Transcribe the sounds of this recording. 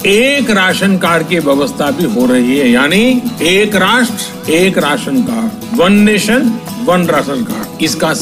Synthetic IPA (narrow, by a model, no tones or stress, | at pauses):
eːkɾaːʃənkaːɾkiʋjɐʋəst̪ʰabʱiɦoɾɐɦiɦɛjaːnieːkɾaːʃʈɾ | eːkɾaːʃənkaːɾ | ʋɐnːeːʃən | ʋɐnɾaːʃənkaːɾɪska